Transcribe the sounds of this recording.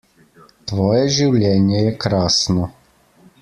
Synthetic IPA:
t̪ʋɔːjɛʒiwlʲjɛːnjɛjɛkɾaːsnɔ

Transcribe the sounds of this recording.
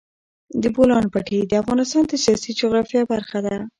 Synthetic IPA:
d̪əbolɑnpaʈid̪əafɣɑnɪst̪ɑnd̪əsijɑsid͡ʒʊɣɾɑfjɑbaɾxad̪a

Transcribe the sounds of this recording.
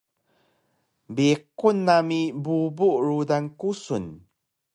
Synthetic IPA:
bikunːamibubuʔɹudaŋkusun

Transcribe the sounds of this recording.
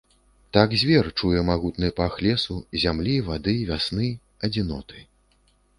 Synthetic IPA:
t̪aɡzʲvʲɛrt͡ʂujɛmaɣut̪nɨjpaxlʲɛsuzʲamlʲivad̪ɨvʲasnɨ | ɐd͡zʲinɔt̪ʰɨ

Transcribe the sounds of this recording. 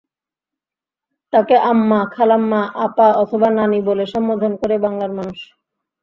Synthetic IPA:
t̪akeʔamːakʰalamːaʔapaɔt̪ʰobananiboleʃɔmbod̪ʱonkoɾebaŋlaɾmanuʃ

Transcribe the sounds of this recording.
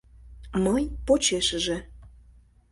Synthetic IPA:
mɤjpot͡ɕeʃəʒĕ

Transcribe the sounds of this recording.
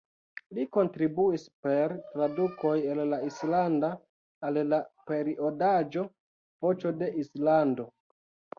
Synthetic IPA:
liko̞ntɾibuispe̞ɾtɾaduko̞jellaislandaː | llape̞ɾiʔo̞dad͡ʒo̞ | vo̞t͡ʃo̞de̞ʔislando̞

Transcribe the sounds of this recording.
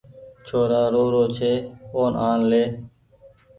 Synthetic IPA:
t͡ʃʰoːɾaːɾoːɾoːt͡ʃʰeːoːnʔaːnleː

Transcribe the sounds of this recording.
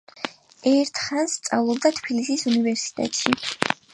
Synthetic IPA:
ɛɾt̪ʰχanst̪sʼa̰vlˠubd̪at̪ʰbʰilisisunivɛɾsi̥t̪ʼɛ̰t̪ʼʃi

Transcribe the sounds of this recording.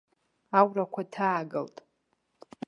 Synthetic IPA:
awrakʷʰatʰaːɡɨ̰ltʼ

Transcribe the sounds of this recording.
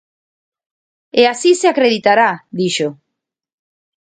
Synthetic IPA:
easiseakɾeðit̪aɾaðiʃo

